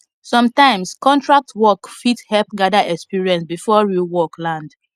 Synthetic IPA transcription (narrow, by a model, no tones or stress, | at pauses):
sɔ̃mtãɪ̃mskɔ̃ntɹak̚tʰwɔkfithɛlp̚ɡadaʔɛkspiɹiɛ̃nsbifɔɹiwɔklãnd